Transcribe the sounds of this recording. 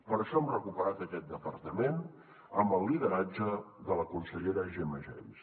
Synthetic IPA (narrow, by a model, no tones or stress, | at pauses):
pəɾʃɔəmrəkupəɾat̪əkɛt̪̚d̪əpəɾt̪əmen | əmbəlˠːiðəɾad͡ʒəðələkunsəʎeɾəʒeməʒɛ̰ms